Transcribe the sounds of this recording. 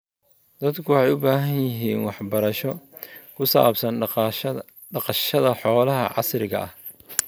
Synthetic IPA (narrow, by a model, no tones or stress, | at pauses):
d̪ɐd̪kʰʊwħɑjʊbaːɦɐnjjɪɦiːnwɑħbɐɾɐʃɔkʰʊsa̰ːbsɐn | ɖɑqɐʃɐðɐħɔːlɐɦɐ̰ʕɑ̰sɾɪɣɐ̰ʔɐ̰h